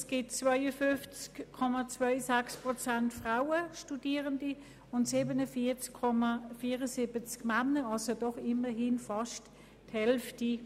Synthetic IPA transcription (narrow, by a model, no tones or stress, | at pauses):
sɡ̥ɪtt͡svaɪəfʏnft͡skkʰːɔmat͡svœɪsɛkspʁɔt͡sɛntfʁaʊəʃtudiːʁəndi | ʊntsibənəfiːt͡skʰːɔmafiːʁəsibət͡skmanəɑlsodɔχɪməɦɪnfɑʃt | thɛlfti